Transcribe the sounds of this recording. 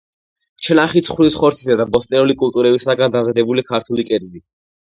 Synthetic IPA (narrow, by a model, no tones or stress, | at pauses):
t͡ʃʰɛlaχit̪sʰχwlisχɔɾt̪sʰisad̪abɔst̪ʼɛnulikʼult̪ʼuɾɛbisaɡand̪amzad̪ɛbulikʰaɾt̪ʰulikʼɛɾli